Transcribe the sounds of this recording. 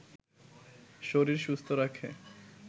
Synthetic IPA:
ʃoɾiɾʃust̪ʰoɾakʰe

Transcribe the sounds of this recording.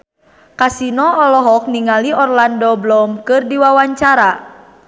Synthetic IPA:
kasinɔɔlɔɦɔk̚niŋaliɔrlandɔblɔmkɨrdiwawaɲt͡ʃaɾa

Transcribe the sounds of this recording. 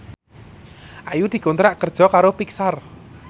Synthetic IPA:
ʔajud̪̥i̤ɡont̪ɾaʔkərd̥ʒ̥ɔ̤kaɾopiksar

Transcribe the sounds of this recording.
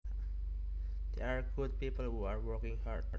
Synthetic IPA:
d̪̥eaɹɡud̚pipəlɦuaɹwɔɹkĩŋhad

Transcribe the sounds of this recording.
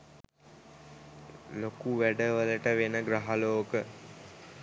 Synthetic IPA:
lokuʋæɖəʋələʈəʋenəɡɾaɦaloːkə

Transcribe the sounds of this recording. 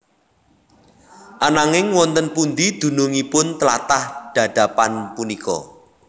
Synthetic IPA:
ʔanaŋɪŋwɔnt̪ənpund̪id̪̥ṳnʊŋipʊnt̪əla̰t̪ahɖ̪̥ä̤ɖ̪̥a̤panpunikɔ̰

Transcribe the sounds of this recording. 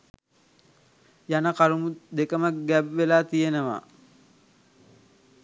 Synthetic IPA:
janəkaɾumud̪ekəmək̚ɡæʋʋelaːt̪ijenəʋa̰ː

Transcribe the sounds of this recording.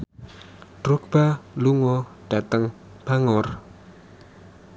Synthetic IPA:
d̥ɾok̚b̥aluŋɔɖ̥at̪əŋ | b̥aŋɔr

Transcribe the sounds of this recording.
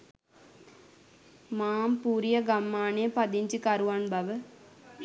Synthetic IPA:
maːmpuːɾijɐɡɐmːaːnejɐpɐd̪iɲd͡ʒikɐɾuʋanbɐʋə

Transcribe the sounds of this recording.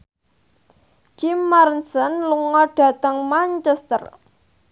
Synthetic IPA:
d͡ʒimːaɾnsənluŋɔɖ̥ä̤t̪əŋmaɲt͡ʃɛst̪ə̰r

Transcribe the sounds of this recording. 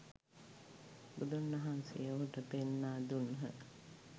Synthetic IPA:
bud̪unːɐɦansḛjəʋuʈəpenːaːd̪unɦə̰

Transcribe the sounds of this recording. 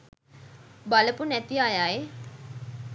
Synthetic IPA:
baləpunæt̪iajaj

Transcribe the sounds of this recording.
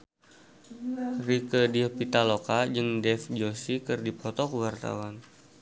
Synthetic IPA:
rikədiopit̪alokad͡ʒɨŋdɛfd͡ʒosikɨrdipʰɔt̪ɔkəwart̪a̰wan

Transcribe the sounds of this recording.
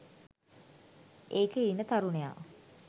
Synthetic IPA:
ʔeːkəinːət̪aɾuneja̰ː

